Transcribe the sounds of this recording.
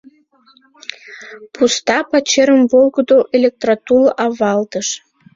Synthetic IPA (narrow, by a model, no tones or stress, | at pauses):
pust̪ɑpɑt͡ɕeɾəmvolɡəd̪oʔelʲek̚t̪rat̪ulʔɑβɑlt̪əʃ